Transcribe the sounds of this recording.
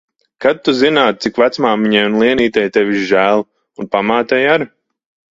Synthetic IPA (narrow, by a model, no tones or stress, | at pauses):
kat̪̚ːuzinaːt̪̚sikvat̪smaːmiɲajunlˠiɛniːt̪ɛjt̪ɛvʲiʃʒæːlˠ | unpamaːt̪ɛjaɾ